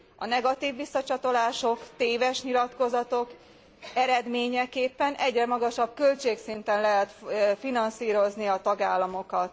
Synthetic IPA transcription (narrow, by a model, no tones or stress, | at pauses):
ɒnɛɡɒt̪iːvːisːɒt͡ʃɒt̪o̞laːʃo̞kt̪eːvɛʃɲilɒt̪ko̞zɒt̪o̞k | ɛɾɛd̪meːɲɛkeːpːɛnʔɛɟrɛmɒɡɒʃɒb̚kølt͡ʃeːksint̪ɛnlɛɦɛt̪finɒnsiːɾo̞zniɒt̪ɒɡaːlːɒmo̞kɒt̪